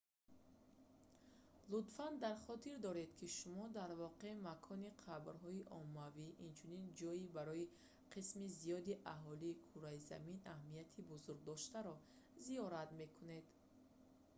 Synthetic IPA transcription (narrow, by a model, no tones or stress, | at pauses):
lud̪fand̪aɾχɔt̪ʰiɾd̪ɔɾe̞d̪kʰiʃumɔd̪aɾvɔqe̞makʰɔniqʰabɾɦɔiʔɔmːaviʔint͡ʃʰunind͡ʒɔibaɾɔi | qʰismizijɔd̪iʔaɦɔliːkʰuɾaiza̰minahmiat̪ʰibuzuɾɡ̚d̪ɔʃt̪aɾɔ | ziɔɾat̪me̞kʰune̞d̪